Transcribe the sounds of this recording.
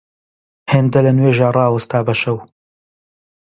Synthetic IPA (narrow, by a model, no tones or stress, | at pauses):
heːnd̪ɐlɐnweːʒaːrˤɑːwɐst̪aːbɐʃɐw